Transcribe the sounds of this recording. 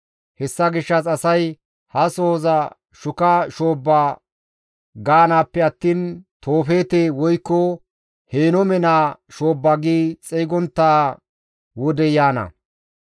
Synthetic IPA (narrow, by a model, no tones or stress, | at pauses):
hɛsːɐɡɪʃːɐsɐsɐj | hɐso̞ːzɐ | ʃʊkɐʃo̞ːbːaː | ɡaːnaːpːɛɐt̪ːiːnt̪o̞ːfe̞ːt̪eːwɔjkːɔ | heːnɔmɛnaːʃo̞ːbːaɡiːt͡sʼɛɡɔnt̪ːaː | wɔd̪ɛjaːnɐ̰